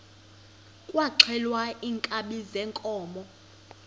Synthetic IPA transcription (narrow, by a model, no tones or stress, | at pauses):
kʼwaǁʰɛlwaʔiːŋkʼaɓizɛŋkʼɔːmɔ